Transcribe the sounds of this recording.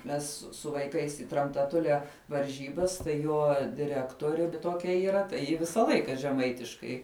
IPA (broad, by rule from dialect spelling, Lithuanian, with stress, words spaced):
ˈmʲɛs sʊ ʋɐɪˈkɐɪs ɪ trɐmtɐˈtʊlʲɛ ʋɐrʲˈʒʲiːbɐs tɐɪ ˈjoː dʲɪˈrʲæːktuɔrʲɪ tuɔˈkʲɛ iːˈrɐ tɐɪ ˈjɪ ˈʋʲɪsɐ ˈlˠɐɪkɐ ʒʲɛˈmɐɪtʲɪʃkɐɪ